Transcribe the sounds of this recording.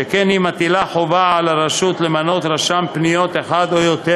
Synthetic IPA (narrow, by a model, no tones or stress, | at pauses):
ekenimat̪ilaħo̞vaalaɾaʃut̪lemano̞t̪ɾaʃampnijo̞t̪eχad̪ojot̪e